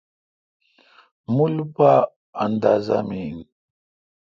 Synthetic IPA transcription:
mulba | and̪aza̰min

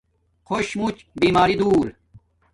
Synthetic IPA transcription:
xʰoɕmut͡ɕ | biːmaːɾid̪uːl

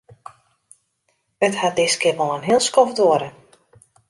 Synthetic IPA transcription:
əthat̚dɪskɪrʋolˠənɦɪəlˠskɔfdoəɾə

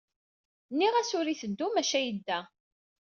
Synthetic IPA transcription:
nːiʁæsʊɾiθəd̪ːumæʃæjəd̪ːæ

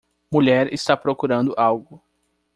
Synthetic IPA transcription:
muʎɛɾɪst̪apɾokuɾɐ̃nd̪ʊʔawɡʊ

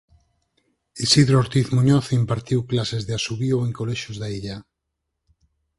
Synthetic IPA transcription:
isiðɾooɾt̪iθmuɲoθimpaɾt̪iwklasezðeasuβioeŋkoleʃozðaiʎa

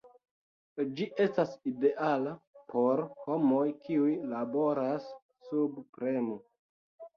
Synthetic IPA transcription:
d͡ʒiʔe̞staside̞ʔalapʰo̞ɾho̞mo̞jkʰiujlabo̞ɾasː | ubpɾe̞mo

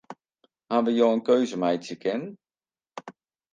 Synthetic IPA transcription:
haːnʋəjowənkøɥzəmɛjtjəkʰɛnən

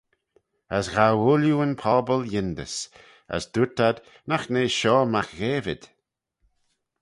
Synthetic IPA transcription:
əsɣawʊljuənpʰɔbəljɪnd̪ə̰s | ə̰sd̪utad̪ | naxneːʃɔːmaxɣeːvɪ̰d̪̥

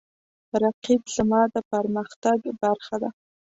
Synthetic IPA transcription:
ɾaqibzəmɑd̪əpəɾməxt̪aɡbaɾxad̪a

